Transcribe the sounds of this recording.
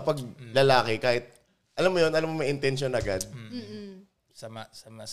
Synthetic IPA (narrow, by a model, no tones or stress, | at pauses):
ɐpɐɡ̚lɐlaːkɪkaːhɪt̪̚ | ʔɐlamːojonʔɐlamːomɐjʔɪnt̪ɛnʃjonʔɐɡad̪̚ | sɐmasama